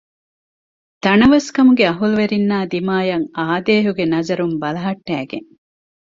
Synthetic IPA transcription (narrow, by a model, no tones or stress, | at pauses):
t̪ɐnɐʋɐskɐmuɡeɐɦuluʋeɾinːaːd̪imaːjɐŋaːd̪eːɦuɡenɐzɐɾumbɐlɐɦɐʈːæːɡḛŋ